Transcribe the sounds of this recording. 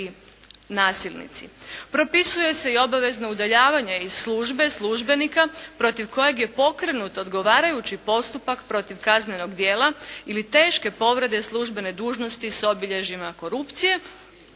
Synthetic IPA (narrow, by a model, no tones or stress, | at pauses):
naːsilˠnḭt̪sḭpɾo̞pisuje̞se̞io̞baʋe̞znaud̪aʎaːʋaɲeiz̥slˠuːʒbe̞slˠuːʒbe̞nikapɾo̞t̪iʋko̞je̞ɡje̞po̞kɾenut̪o̞d̪ɡo̞ʋaːɾajut͡ɕipo̞st̪upakpɾo̞t̪iʋkazɲeno̞ɡd̪je̞ːlˠailit̪e̞ːʃke̞po̞ʋɾe̞d̪e̞slˠuʒbe̞ne̞d̪uːʒno̞st̪iso̞biʎe̞ʒimako̞ɾupt̪sije̞